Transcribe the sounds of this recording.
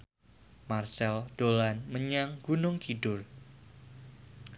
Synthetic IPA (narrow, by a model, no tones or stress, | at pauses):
marsɛld̥olanməɲaŋɡunʊŋkidʊr